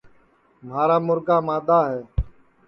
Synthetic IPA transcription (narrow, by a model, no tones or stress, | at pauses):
m̤aːɾaːmʊɾɡaːmaːd̪aːɦɛː